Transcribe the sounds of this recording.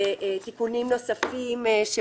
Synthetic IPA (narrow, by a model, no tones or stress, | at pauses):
et̪ikunimno̞safimʃe